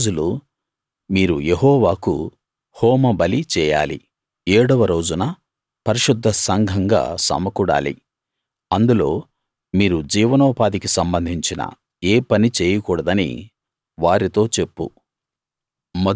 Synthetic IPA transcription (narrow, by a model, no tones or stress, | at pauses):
d͡ʒulu | miːɾuje̞ɦɔːʋaːkṵ | hɔːmɐbɐlit͡ʃɛːja̰ːlḭ | ɛːɽɐʋɐɾo̞ːd͡ʒunɐ | pɐɾiʃud̪ʱːɐsɐŋɡʱɐŋɡa̰ːsɐ̰mɐkuɽa̰ːlḭ | ɐnd̪ulo̞ː | miːɾud͡ʒiːʋɐnɔːpaːd̪ikisɐmbɐnd̪ʱiɲt͡ʃinɐ̰ | eːpɐnit͡ʃeːjɐkuːɽɐd̪ɐnḭ | ʋaːɾit̪o̞ːt͡ʃe̞pːṵ | mɐ